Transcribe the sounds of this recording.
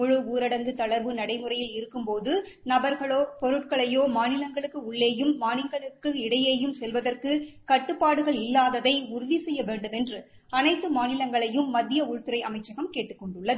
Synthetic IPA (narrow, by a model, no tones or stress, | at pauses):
mʊɻɯuːɾɐɽɐŋɡɯt̪ɐɭɐɾʋɯnɐɽɐɪmɯrɐjɪlɪɾɯkːɯmpoːðɯ | nɐbɐɾɣɐɭoːpɔɾɯʈ̚kɐɭɐjoːmaːnɪlɐŋɡɐɭɯkːɯʊɭːeːjɯmːaːnɪŋɡɐɭɯkːɯɪɽɐjeːjɯmsɛlʋɐðɐrkɯkɐʈːɯpːaːɽɯɣɐɭɪlːaːðɐðɐɪʊɾʊʋisɛjːɐʋeːɳɖɯmɛndrɯ | ɐnɐɪt̪ːɯmaːnɪlɐŋɡɐɭɐjɯmːɐd̪ːɪjɐʊɻt̪ɯɾɐɪʔɐ̰mɐɪt͡ʃːɐɣɐmkeːʈːɯkːɔɳɖɯɭːɐðɯ